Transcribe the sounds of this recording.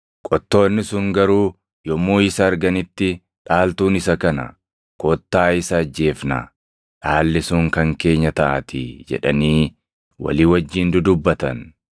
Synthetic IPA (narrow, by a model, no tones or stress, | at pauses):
kʼɔt̪ːo̞ːnːɪsʊŋɡɐɾuː | jɔmuːɪsɐːɾɡɐnɪt̪ːɪ | ᶑʼaːlt̪uːnɪsɐkɐnɐ̰ | kɔt̪ːaːɪsɐːd͡ʒːe̞ːfnɐ̰ | ᶑaːlːɪsʊŋkɐŋke̞ːɲːɐt̪ɐʔɐ̰t̪ɪ̰d͡ʒɛ̰ᶑɐ̰niː | wɐ̰liːwɐd͡ʒːiːnd̪ʊd̪ʊbːɐt̪ɐ̰n